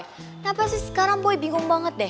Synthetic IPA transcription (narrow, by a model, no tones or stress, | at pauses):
napasisə̥kaɾaŋbɔibiŋʊŋbaŋət̪̚dɛ